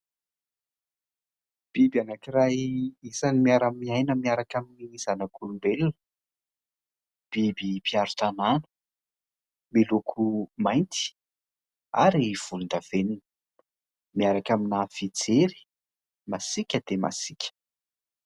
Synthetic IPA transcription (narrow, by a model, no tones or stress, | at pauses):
b̥ibianakiɾajisanimiaɾamiajnəmiaɾakaminiz̥anakʰulumbelun | b̥ibipʰiaɾu̥t̪ananə̥ | milokʰumajnt̪i̥ | a̰ɾiv̥ulund̪av̥eninə | miaɾakaminafid͡zeɾi̥ | masikʲəd̪̥ema̰sikʲə̥